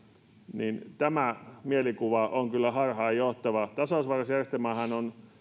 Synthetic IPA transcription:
nint̪æmæmielikuʋɑʔoŋkylːæhɑrhɑːjjoht̪ɑʋɑt̪ɑsoˑsʋɑrɑsjærest̪emɑhɑnon

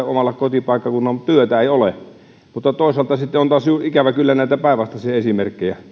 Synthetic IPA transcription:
omɑlːɑkot̪ipɑˑikːɑkunːɑmt̪yøt̪æeˑiole | mut̪ːɑt̪oˑesɑlt̪ɑsit̪ːeont̪ɑːˑsjuːʔikæʋækylːænæˑit̪æpæˑeʋɑst̪ɑsihesimerkːejæ

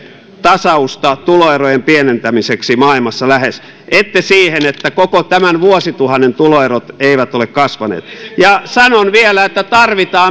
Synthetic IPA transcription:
t̪ɑsɑust̪ɑt̪uloerojempienent̪æmiseksimɑilmɑsːɑlæhes | et̪ːesiːhenet̪ːækokot̪æmænʋuosit̪uhɑnːent̪uloerot̪eiʋæt̪olekkɑsʋɑnḛːt̪jɑsɑnonʋielæet̪ːæt̪ɑrʋit̪ɑː

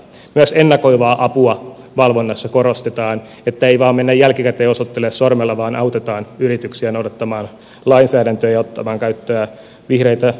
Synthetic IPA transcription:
myæsenːɑkoiʋɑːʔɑpuɑ | ʋɑlʋonːɑsːɑkorost̪et̪ɑːn | et̪ːæeiʋɑːmmenːæjjælkikæt̪eːosot̪ːelessormelːɑʋɑːnʔɑwt̪et̪ɑːnyrit̪yksiænoudɑt̪ːɑmɑːn | lɑinsæːdænt̪øːjɑot̪ːɑmɑːŋkæyt̪ːøæ | ʋihreit̪æ

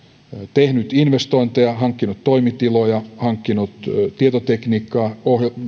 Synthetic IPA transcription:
t̪ehnyt̪inʋest̪oint̪ejɑhɑŋkːinut̪toimit̪ilojɑhɑŋkːinut̪t̪iet̪ot̪ekniːkːɑːohj

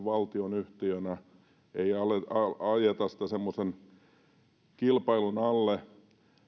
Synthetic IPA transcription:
ʋʋɑlt̪ionyht̪iønæ | eiɑleɑɑjet̪ɑsi̥t̪æsemːosen | kilpɑilunɑlːe

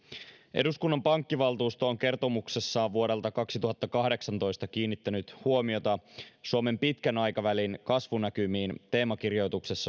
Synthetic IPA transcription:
ʔe̞̰duskunːɑmpɑŋkːiʋɑlt̪uːst̪ooŋk̟e̞rt̪o̞mukse̞sːɑʋʋuo̞ɾe̞lt̪ɑkɑksit̪uɦɑt̪ːɑkɑhde̞ksɑnt̪o̞jst̪ɑk̟iːnːit̪ːænyt̪huomio̞t̪ɑsuome̞mpit̪kænɑjkɑʋælinkɑsʋunækymiːnt̪e̞ːmɑk̟irjo̞jt̪uksesːɑ

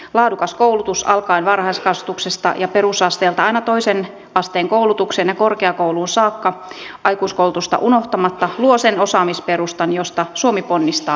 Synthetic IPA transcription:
lɑːdukɑskoulut̪usɑ̰lkɑinʋɑrhɑiskɑst̪uksest̪ɑ̰jɑperusɑst̪eːlt̪ɑɑinɑt̪oisen | ɑst̪eːŋkoulut̪ukseːnjɑkorkeɑkouluːnsɑːkːɑ | ʔɑikuːskoulut̪ust̪ɑ̰ʔunoht̪ɑmɑt̪ːɑluosenosɑːmispeɾust̪ɑnjost̪ɑsuomiponːist̪ɑː

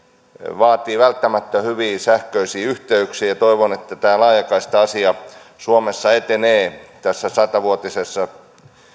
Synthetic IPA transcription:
ʋɑːt̪iːʋælt̪ːæmæt̪ːæhyʋiːsæhkøisiːyht̪eyksiːjɑt̪oiʋonet̪ːæt̪æːlɑːjɑkɑist̪ɑɑsiɑ | suomesːɑet̪eneːt̪æsːæsɑt̪ɑʋuot̪isesːɑ

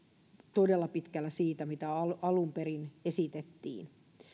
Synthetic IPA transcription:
t̪odelːɑpit̪kælːæsiːt̪æmit̪æɑlɑlumperinesit̪et̪ːḭːn

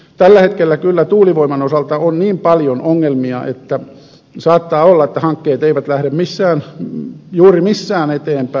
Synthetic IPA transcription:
t̪ælːæhet̪̚kelːækylːæt̪uːliʋoimɑnosɑlt̪ɑonniːmpɑljonʔoŋːelmiɑʔḛt̪ːæ | sɑːt̪ːɑːolːɑet̪ːæhɑŋkːeːt̪eiʋæt̪læhɾemmisːæːn | juːrimisːæːnet̪eːmpæ

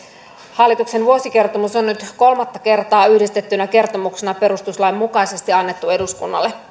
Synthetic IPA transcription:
hɑlːit̪ukse̞nʋuosik̟e̞rt̪omusonːyt̪ko̞lmɑt̪ːɑke̞rt̪ɑːyhdist̪e̞t̪ːynæke̞rt̪o̞muksenɑpe̞ɾust̪uslɑimːukɑise̞st̪iɑnːe̞t̪ːue̞duskunːɑ̰lːe

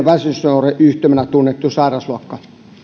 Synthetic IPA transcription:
ʋæsysnoːreʔyht̪ømenæt̪unːet̪ːusɑˑirɑsluɑkːɑ

